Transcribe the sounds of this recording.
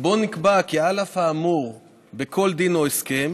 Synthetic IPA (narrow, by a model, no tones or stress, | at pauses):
bo̞nikbakialafhaːmuʁ | bekʰo̞ld̪inoeskem